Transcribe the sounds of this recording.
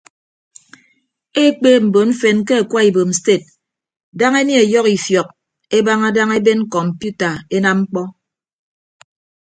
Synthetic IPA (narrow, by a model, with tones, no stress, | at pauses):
e˦k͡peː˦m̩˨bo˨nɱ̩˦fe˨nk̬e˦a˨kwa˦i˨bo˨m̩˨ste˦˨t̚ | da˦ŋe˦n˦e˨jɔ˦ki˨fjɔ˨k̚ | e˦ba˦ŋa˦da˦ŋe˦be˦n˦kɔ˨m̩˨pju˦ta˨e˦na˦mŋ͡m̩˦k͡pɔ˦